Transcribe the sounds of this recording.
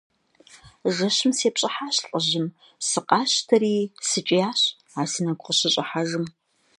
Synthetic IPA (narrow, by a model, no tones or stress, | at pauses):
ʒɐɕɨmseːpɕʼɐħaːɕɬʼəʑɪm | sɨqʼɑːɕtʰɐɾiːsɨt͡ʃʼɪjaːɕ | aːsɨnɐɡʷʊqəɕɪɕʼɪħaʒɨm